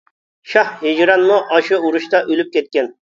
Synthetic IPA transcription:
ʃɑhed͡ʒɾɑnmuʔɑʃɨuɾuʃt̪ɑʔølyp̚kʲɛt̪̚kʲen

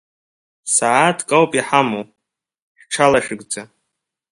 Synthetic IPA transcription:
saatʰkʼawpʼiħamow | ħʷᶣʈ͡ʂʰalaʃᶣɪɡʷd͡za

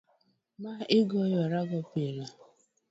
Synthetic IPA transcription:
maːʔɪɡɔjɔɾaɡɔpela

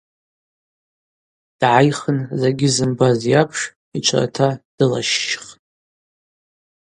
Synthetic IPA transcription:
d̥ʕajχənzeɡʲɪzɨmbazjapʰʂ | it͡ʃʷʰa̰ra̰tʰad̥ɨla̰ʃːχtʼ

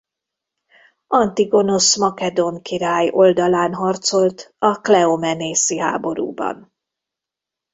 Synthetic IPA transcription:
ɒnt̪iɡo̞no̞smɒkɛd̪oŋkiɾaːjo̞ld̪ɒlaːnɦɒrt̪so̞lt̪ɒklɛomɛneːsiɦa̰ːbo̞ɾṵːbɒ̰n

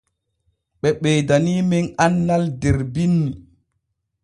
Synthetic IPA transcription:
ɓɛɓɛːdaniːmɛnanːaldɛɾbinːi

